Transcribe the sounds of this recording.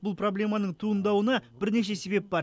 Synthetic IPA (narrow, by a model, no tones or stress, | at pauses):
bʊlˠpro̞blʲe̞mɑnəɴt̪ʰuənd̪ɑwənɑbɪɾne̞ʃ̬e̞se̞be̞p̚bɑɾ